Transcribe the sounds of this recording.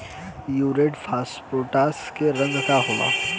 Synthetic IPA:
juːɾeːʈfʰaːspɾoːʈaːskeɾə̃ŋɡkaɦoːma̰ː

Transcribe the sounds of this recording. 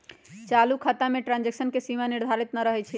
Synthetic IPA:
t͡ʃalukʰət̪ameʈɾãnd͡ʒeksənkesimaniɾd̪ʱaɾit̪nəɾəɦɛt͡ʃʰɛ

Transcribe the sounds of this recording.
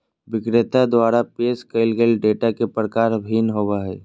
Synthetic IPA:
ʋɪkɾɪt̪ad̪waːɾapeːskəɪlɡelɖeːʈakepɾəkaːɾbʱinɦobaɦɛː

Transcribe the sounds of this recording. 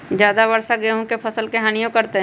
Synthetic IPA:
d͡ʒjaːd̪abɐɾsaɡeɦõkepʰɐsəlkeɦaːnijõkɐɾt̪eɦ

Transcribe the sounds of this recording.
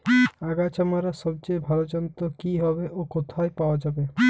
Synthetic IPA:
aɡat͡ʃamaɾasɔb̚t͡ʃebʱalod͡ʒɔnt̪okiɦɔbeʔokot̪ʰaepawad͡ʒabe

